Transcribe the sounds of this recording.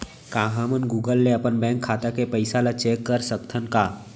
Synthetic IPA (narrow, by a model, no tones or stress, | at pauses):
kãːɦãmənɡuːɡəlːeɐpənbɛ̃ːŋkʰːaːt̪akepəɪsalat͡ʃeːkːəɾsək̚t̪ʰənkaː